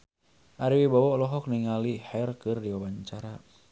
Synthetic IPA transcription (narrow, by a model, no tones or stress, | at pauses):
ʔaɾiwibawɔlɔɦɔk̚niŋalihɛrkɨrdiwawaɲt͡ʃaɾa